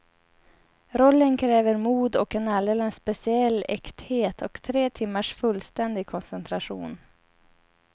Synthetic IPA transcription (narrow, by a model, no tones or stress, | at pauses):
ɾɔlːənkʰɾɛːvəɾmuːd̪ɔkɛnald̪eːlənspɛsɪɛlːɛkt̪heːt̪ʰɔkt̪ʰɾeːt̪ʰɪmːaʂfɵlːst̪ɛnd̪ɪɡkʰɔnsɛnt̪ʰɾaɧṵːn